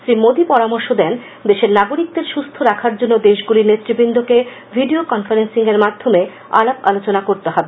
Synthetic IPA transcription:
sɾimod̪ipɔɾamoɾʃod̪ɛn | d̪eʃeɾnaɡoɾik̚d̪eɾʃust̪ʰoɾakʰaɾd͡ʑonːod̪eʃɡulinet̪ːɾibind̪ʱoke | vʱiɖiokɔnfaɾensiŋeɾmad̪ʱːome | a̰lapalot͡ɕonakoɾt̪eɦɔbe

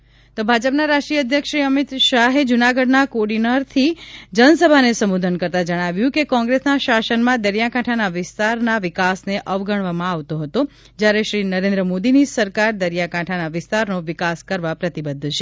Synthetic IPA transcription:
t̪obʱad͡ʒəpnaɾaʃʈɾijəəd̪ʱjəkʃɾiəmit̪ʃaɦed͡ʒunaɡəɖnakoɖinəɾt̪ʰid͡ʒənsəbʱanesəmud̪ʱənkəɾt̪ad͡ʒəɽ̃aʋjũkekɔ̃ŋɡɾesnaʃasənmãd̪əɾjakaʈʰanaʋɪst̪aɾnaʋɪkasneʔəʋɡəɳ̃ʋamãaʋt̪oɦət̪o | d͡ʒjaɾeʃɾinəɾẽnd̪ɾəmod̪inisəɾkaɾd̪əɾjakãʈʰanaʋɪst̪aɾnoʋɪkaskəɾʋapɾət̪ibəd̪ʱːt͡ʃʰe

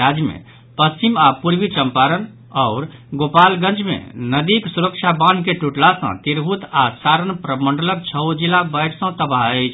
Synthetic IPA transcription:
ad͡ʒjmḛ | pəst͡ʃimapuɾbit͡ʃəmpaɾən | ɔʊɾɡopalɡə̃nt͡ʃmḛnəd̪iksuɾəkt͡ʃʰabankeʈuʈlasə̰̃t̪iɾɦut̪asaɾənpɾəmə̃ɳɖələk̚t͡ʃʰəwd͡ʒilabəʈsə̃t̪əbaɦəjt͡ʃʰ

